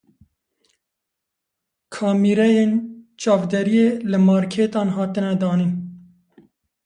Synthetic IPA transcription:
kʰɑːmiːɾɛjeːnt͡ʃɑːvd̪ɛɾijeːlɨmɑːɾkʰeːt̪ɑːnɦɑːt̪ɨnɛd̪ɑːniːn

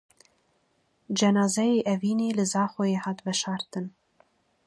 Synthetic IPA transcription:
d͡ʒɛnɑːzɛjeːʔɛviːneːlɨzɑːχʷojeːħaːt̪bɛʃɑːɾt̪ʰɨn

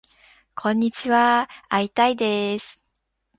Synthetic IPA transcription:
kʰõ̞ɲ̟ːit͡ɕiβaait̪aid̪e̞sɨ̥

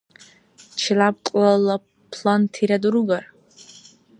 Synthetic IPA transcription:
t͡ʃʰilab̚qʼlala | pʰlant̪ʰiɾad̪uɾuɡaɾ

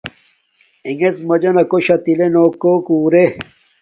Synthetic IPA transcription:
iŋet͡smɐd͡ʑɐnɐkoɕɐt̪ilenoːkːokuːɾe

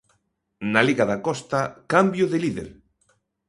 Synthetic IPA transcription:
naliɣaðakɔst̪akambjoðeliðḛɾ

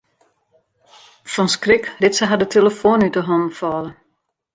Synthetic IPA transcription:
fɔnskrɪkrɪtsəɦadətʰeləfoːnytəɦɔməfɔːlə

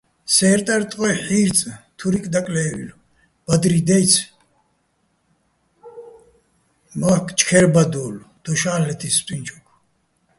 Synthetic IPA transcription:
sɛːɾt̪ʼaɾt̪ʼqʼɔjħiːɾt͡sʼt̪ʰuɾikʼd̪akʼlɛːḭlu | b̥ad̪ɾid̪ɛjt͡sʰ | makʰt͡ʃʰʼkʰɛɾbad̪uːld̪̥ɔʃaːlɛt̪ʰist̪ʼint͡ʃʰɔkʰ

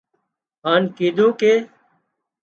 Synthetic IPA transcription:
ɦaːnkiːd̪ʱõːkeː

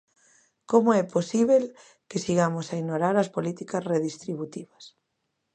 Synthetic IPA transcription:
komoɛposiβel | kesiɣamosainoɾaɾɐspolit̪ikɐsreðist̪ɾiβut̪iβɐs

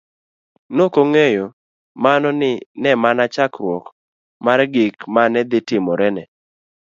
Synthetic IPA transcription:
nokoŋejo | manɔnɪnɛmanat͡ʃakɾwɔk | maɾɡɪkmanɛd̪ɪtɪmɔɾɛnɛ

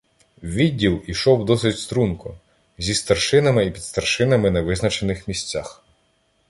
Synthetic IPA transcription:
wʋʲidʲːilˠiʃɔwd̪ɔsɪtʲst̪ɾunkʊ | zʲist̪ɐrʃɪnɐmɪipʲid̪st̪ɐrʃɪnɐmɪnɐʋɪznɐt͡ʃenɪxmʲisʲt͡sʲax

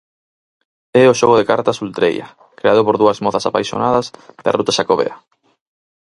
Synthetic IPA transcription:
ɛoʃɔɣ̞oðekaɾt̪asult̪ɾḛja̰ | kɾeaðopoɾðuɐzmɔθasapajsjo̰naðɐzd̪a̰rut̪aʃakoβḛa

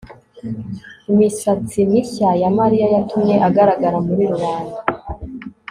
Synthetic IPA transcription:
imisat͡simiçajamaɾijajatʰumɲe̞ʔaɡaɾaɡaɾamuɾiɾuɾaːna

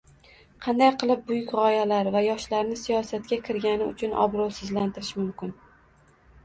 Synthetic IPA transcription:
qʰɑnd̪ajqʰɨlˠɪp̚bʊjʊkʲʁɒjalaɾvajɒʃlaɾnɪsijɒsat̪kʲakʲʰɪɾɡʲanɪʊ̰t͡ʃʰʊnʔɒ̰bɾɒlˠsɪzlant̪ʰɪɾɪʃmʊmkʲɪn

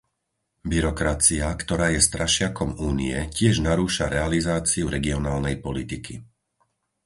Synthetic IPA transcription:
biɾɔkɾat͡siakt̪ɔɾaːjɛst̪ɾʔaʃɪakɔmuːnḭɛcɪɛʒnaɾuːʃaɾɛalizaːt͡siuɾɛɡiɔnaːlnɛjpɔlit̪ikʰi

